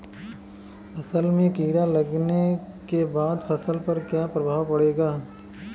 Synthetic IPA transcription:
ɐsəlmẽkiːɽalɐɡne | kebaːd̪pʰɐsəlpɐɾkjapɾɐbʱaːʋpɐɽeːɡaː

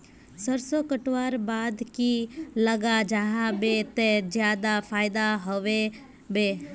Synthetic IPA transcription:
səɾsokəʈʋaːɾbaːd̪kiləɡad͡ʒəɦãbet̪ed͡ʒjaːd̪afʰaːɪd̪aɦoʋe | be

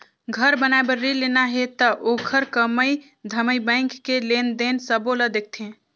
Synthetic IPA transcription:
ɡʱəɾbənaebəɾilenaɦet̪əʔokʰəɾkəməj | d̪ʱəməjbə̃ɪŋkːelend̪ensəboləd̪ek̚ʰt̪ʰẽ

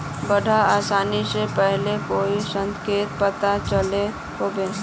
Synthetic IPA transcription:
bəɽʱaaːsaːnisepɛɦlekoːisə̃ŋkeːt̪̚pət̪at͡ʃəle | ɦoːbeː

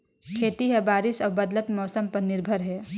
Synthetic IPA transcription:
kʰeːt̪iɦɛbaːɾɪsɔːɾbɐd̪lət̪mɔːsəmpɐɾnɪɾbʱəɾɦɛː

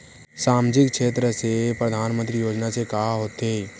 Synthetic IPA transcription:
saːmd͡ʒɪkkʃeːt̪ɾəsepɾəd̪ʱaːnmə̃nt̪ɾijoːd͡ʒnasekaɦɦoːt̪eː

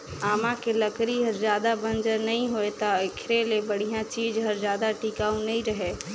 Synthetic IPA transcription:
aːmãkeləkɾiɦɐɾzjaːd̪abə̃nd͡ʒəɾnɐɦĩɦoet̪aɪkʰɾelebəɽ̤ijãt͡ʃiːd͡ʒɦɐɾzjaːd̪aʈiːkaːũnɐɦĩɾɐɦeː

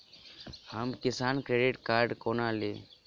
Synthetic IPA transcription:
həmkɪsaːnkɾeːɖɪʈkaːɾɖkoːnaːleː

